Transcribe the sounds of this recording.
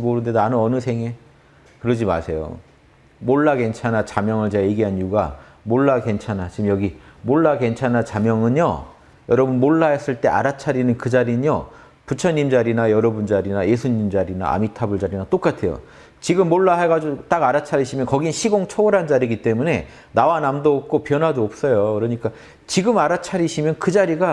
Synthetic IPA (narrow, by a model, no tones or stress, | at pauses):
moɾɯnde̞anɯnʌnɯsʰe̞ŋe̞ | kɯɾʌd͡ʑima̰sʰe̞jo̰ | moɭːake̞nt͡ɕʰanat͡ɕamjʌŋɯɭt͡ɕeɡajeɡiɦanjuɡa | moɭːake̞nt͡ɕʰanat͡ɕiɯmjʌɡimoɭːake̞nt͡ɕʰanat͡ɕamjʌŋɯɲjo | jʌɾʌbunmoɭːaes͈ɯɭt͈e̞ʔa̰ɾat͡ɕʰaɾinɯnkɯd͡ʑaɾiɲo | put͡ɕʰʌɲːimd͡ʑaɾinajʌɾʌbund͡ʑaɾinaje̞sʰuɲimd͡ʑaɾina̰a̰mitʰabɯɭd͡ʑaɾinat͈ok͈atʰe̞jo̰ | t͡ɕiɡɯmːoɭːaɦeɡad͡ʑot͈aɡaɾat͡ɕʰaɾiɕʰimjʌnkʌɡinɕʰiɡoŋt͡ɕʰʌuɾɦand͡ʑaɾiɡit͈e̞mune̞ | nawanamdoːp̚k͈opjʌnwadoʌp̚s͈ʌjokɯɾʌɲik͈a | t͡ɕiɡɯmaɾat͡ɕʰaɾiɕʰimjʌnkɯd͡ʑaɾiɡa